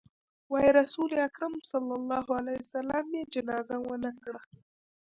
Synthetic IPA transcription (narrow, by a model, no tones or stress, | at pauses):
waeɾˤɑsuːleakɾɑmsɑlːɑlˤːɑːɦʕalaːhɪsalaːmjed͡ʒɪnaːzawanakɽa